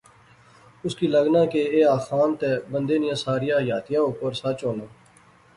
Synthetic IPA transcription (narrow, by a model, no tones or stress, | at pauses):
ʊskiːləɡnãːkeeːaːxaːnt̪eːbənd̪eːnɪjãːsaːɾɪjaːjaːt̪ɪjãːoːkoːɾsat͡ʃoːnãː